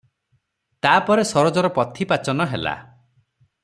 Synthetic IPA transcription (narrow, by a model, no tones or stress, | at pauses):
t̪aːpɔɾesɔɾɔd͡ʒɔɾɔpɔt̪ʰipat͡ʃɔnɔɦela̰